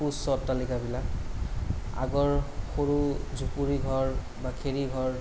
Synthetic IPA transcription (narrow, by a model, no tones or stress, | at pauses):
usɔtːalikabilak | a̰ɡɔɹxoɹuzupuɹiɡʱɔɹ | bakʰeɹiɡʱɔɹ